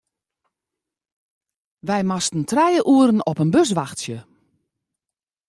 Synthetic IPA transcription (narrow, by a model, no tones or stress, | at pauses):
ʋɛjmastn̩trɛjəʔuəɾən̩ɔpənbøs̬ʋaxtsjə